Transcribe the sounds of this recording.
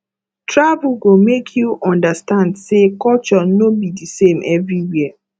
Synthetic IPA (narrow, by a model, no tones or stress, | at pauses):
tʰɹavuɡomekʰjuʔɔ̃ndastãndsekɔlt͡ʃɔnobidisẽmʔɛvɹiwiə